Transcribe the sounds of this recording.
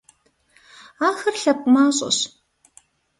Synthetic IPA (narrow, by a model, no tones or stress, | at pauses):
aːxɐrɬɐp̚ʷʼmaːɕʼɐ̰ɕ